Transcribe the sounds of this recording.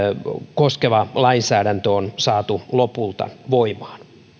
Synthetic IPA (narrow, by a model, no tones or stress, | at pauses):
koskeʋɑlɑinsæːɾænt̪øonsɑːt̪ulopult̪ɑ̰ʋoimɑːn